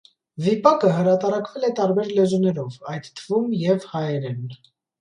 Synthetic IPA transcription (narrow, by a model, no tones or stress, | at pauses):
vipɑkəɦəɾɑt̪ɑɾɑkvɛlɛt̪ɑɾbɛɾlɛzunɛɾɔvɑjd̪t̪ʰːəvumjɛvhɑjɛɾɛn